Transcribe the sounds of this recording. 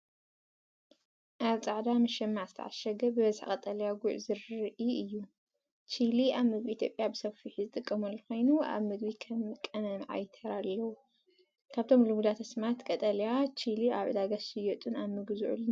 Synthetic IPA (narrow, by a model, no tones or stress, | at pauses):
ʔaβt͡sʼaʕd̪amɨʃɐmːaʕzɨt̪ʰɐ̰ʕa̰ʃɐɡɐbɨβɐzħkʼɐt̪ʼɐlijaɡuʕzɨɾʔiɨjːu | t͡ʃʰiliaβmɨɡbiʔit̪ʰjopʼjabɨsɐfiħizɨt̪ʼɨkʼːɐmɐlːɐko̞jnua̰βmɨɡbikʰɐmɨkʼːɐnɐmʕa̰jt̪ʰɐɾalːɐwu | kʰaβt̪ʰo̞mlumud̪at̪ʰɐsmat̪kʼɐt̪ʼɐlijat͡ʃʰiliaβʕɨ̰d̪aɡaʃɨjɔt̪ʼunaβmɨɡzuʕṵln